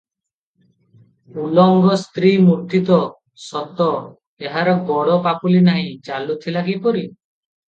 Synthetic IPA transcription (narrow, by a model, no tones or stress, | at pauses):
ulɔŋɡɔst̪ɾimuɾt̪it̪ɔ | sɔt̪ɔ | eɦaɾɔɡɔɽɔpapulinaɦĩt͡ʃalut̪ʰilaɡipɔɾi